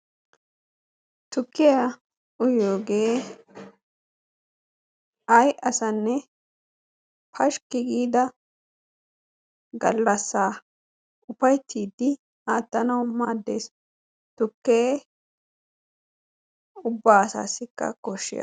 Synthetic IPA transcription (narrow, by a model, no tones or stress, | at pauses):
t̪ʊkːɪjɐ | ʊjoːɡeː | ʔɐjʔɐsɐnːɛ | pʰɐʃkɪɡiːd̪ɐ | ɡɐ̰lːɐsːaː | ʔʊpɐjt̪ʰːiːd̪ːɪ | aːt̪ːɐnɐwmaːd̪ːe̞̰ːs | t̪ʊkːeː | ʊbːaːɐsa̰ːsːɪkːɐ̰kɔʃːɪ̰jɐ̰